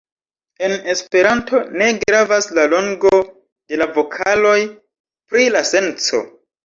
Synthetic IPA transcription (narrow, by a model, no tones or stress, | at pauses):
e̞ne̞spe̞ɾantʰo̞ne̞ɡɾavaslalo̞ŋɡo̞ | d̥e̞lavo̞kʰalo̞j | pɾilase̞nt͡so̞̰